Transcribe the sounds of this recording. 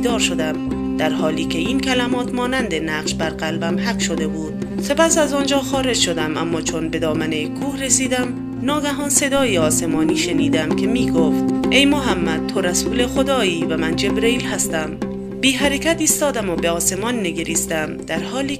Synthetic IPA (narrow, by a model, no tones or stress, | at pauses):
d̪ɒːɾʃod̪æm | d̪̥æɾhɒːliːkʲʰe̞iːnkʰælæmɒːt̪mɒːnænd̪enæqʃbæɾɢælbæmhæqʃo̞d̪e̞buːd̪̥̚ | se̞pæsæzɒːnd͡ʒɒːxɒːɾe̞d͡ʒʃo̞d̪æmʔæ̰mːɒːt͡ʃʰo̞nbe̞d̪ɒːmænekʰːuːhresiːd̪æm | nɒːɡæɦɒːnse̞d̪ɒːjiɒːse̞mɒːniːʃe̞niːd̪æmkʲʰe̞miːɡoft̪̚ʔe̞jmoɦæmːæd̪̥̚t̪ʰoɾæsuːlexod̪ɒːiːvæmænd͡ʒe̞bɾeiːlhæst̪æm | biːɦæɾekʰæt̪iːst̪ɒːd̪æmobe̞ɒːse̞mɒːnːeɡeɾist̪æmd̪̥æɾhɒːliː